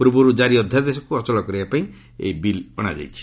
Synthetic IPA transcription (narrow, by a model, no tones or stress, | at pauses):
pɾɔbuɾud͡ʒaɾiɔd̪ʱːjad̪esɔkuɔt͡ʃɔlɔkɔɾibapaĩ | ḛjbilɔ̰ɽ̃a̰d͡ʒa̰jt͡ʃʰi̥